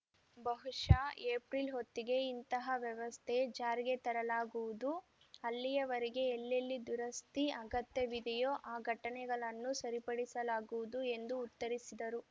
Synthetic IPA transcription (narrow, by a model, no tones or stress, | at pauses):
bɐɦuʂaeːpɾilɦot̪ːiɡe̞int̪ɐɦɐʋjɛʋɐst̪ʰed͡ʒaːɾiɡe̞t̪ɐɾɐlaːɡuʋud̪u | ɐlːijɐʋɐɾiɡe̞ːlːɐlːid̪uɾɐst̪iɐɡɐt̪jɐʋid̪ɛjoːʔaːɡʱɐʈɐnɛɡɐɭɐnːusɐɾipɐɽisɐlaːɡuʋud̪ue̞nd̪uːt̪ːɐɾisid̪ɐɾu